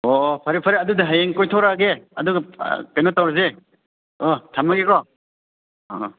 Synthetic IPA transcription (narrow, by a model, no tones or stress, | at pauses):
ɔpʰaɾipʰaɾiadudaɦajeŋkɔjtʰɔwɾaɡeaduɡkajnɔtawɾze | ɔtʰamaɡekɔ